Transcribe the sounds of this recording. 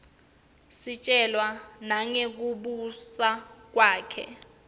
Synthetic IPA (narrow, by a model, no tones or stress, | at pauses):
sit͡ʃʼɛlwanaŋek̬uɓusak̬waːkʰɛ̰